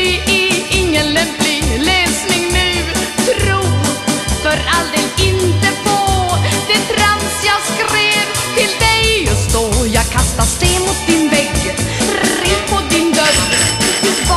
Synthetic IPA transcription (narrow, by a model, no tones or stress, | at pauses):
ɛɛɪŋːənlɛmplɪŋlɛːsnɪŋnʉ̟ːpʰɾuːfœɾald̪eːlɪnt̪əpʰod̪̥ɛt̪ʰɾansjɑːɡskɾeːv | t̪ʰɪld̪ɛjst̪ojɑːɡ̚kʰast̪ast̪eːmʊt̪̚d̪ɪnvɛɡ | ɾipʰɔd̪ɪnd̪œɾ